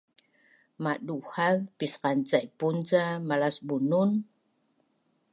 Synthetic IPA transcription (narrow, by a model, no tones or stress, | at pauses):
maɗuhaðpisqant͡sajpunt͡samalasbunun